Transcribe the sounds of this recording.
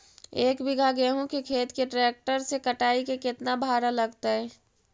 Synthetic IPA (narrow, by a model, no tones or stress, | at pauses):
eːkbɪɡʱaɡeɦũkekʰeːt̪keʈɾeːk̚ʈəɾsekəʈaːikekɪt̪nabʱaːɾaləɡt̪aɦɛː